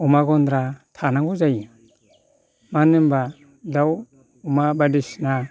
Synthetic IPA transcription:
ɔmaɡɔnd̪ɾatʰanaŋɡɔzaja | manɯmba | daw | ɔmabadisna

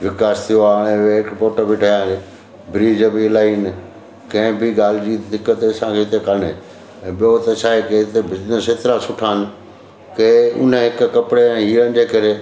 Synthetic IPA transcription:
ʋɪkaːst̪ʰijoaːɽ̃ẽʋeɦɪkpoːʈəbɪʈʰaãːle | bɪɾiːd͡ʑəbiːlaːiːn | kɐ̃ɦɪ̃bɪɡaːl̤ɪd͡ʑid̪ɪkːət̪eɐsãkʰeːɦɪt̪ekəɾɳe | ɛ̃ːɓijot̪esaːekeɦɪt̪ebʱɪd͡ʑnəseːt̪ɾasʊʈʰaːnɪ̆ | keʊ̰n̤əɦɪkʊkɐpɽeɛ̃ːɦiːɾənɪ̆d͡ʑeːkɐɾeː

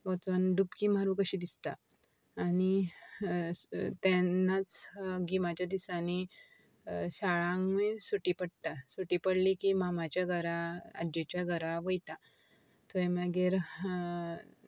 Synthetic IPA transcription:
ʋɔt͡sənɖupkiːmaɾũkəɕid̪ist̪aː | ni | t̪ɛnːat͡sɡimat͡ɕjad̪isani | ɕaɭãŋɡmesuʈipəɽt̪asuʈiːpəɽlikimamat͡ɕjaɡʱəɾaa̰d͡ʑet͡ɕjaɡʱəɾaʋəjt̪a | t̪uemaɡeɾ

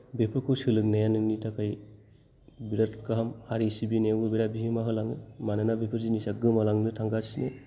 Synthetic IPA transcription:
bepʰɯkʰɯsɯlɯk̚najanɯnitʰakʰaj | biɾatkaɦamhaɾisibinewɡɯbiɾabiɦimaɦɯlaŋɯmananabepʰɯɾzinisaɡɯmalaŋnɯtʰaŋɡasine

